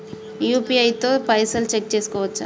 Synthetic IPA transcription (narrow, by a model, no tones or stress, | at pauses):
juːpiɐjt̪oːpɐjsɐlt͡ʃek̚ːt͡ʃeːsu̥kɔːʋɐt͡ʃːu